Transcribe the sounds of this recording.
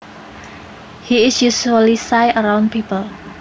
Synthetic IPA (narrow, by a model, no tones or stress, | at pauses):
hiɪsjusuəlisajəɾawnpʰipəl